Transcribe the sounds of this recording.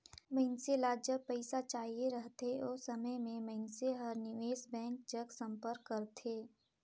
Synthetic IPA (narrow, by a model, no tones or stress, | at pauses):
məɪnselaːd͡ʒəb̚pəɪsat͡ʃaːɦieɾəɦt̪eɔːsəməjmẽməɪnseɦəɾnɪʋeːsbɛ̃ːŋk̚d͡ʒəɡsə̃mpəɾkːəɾt̪ʰeː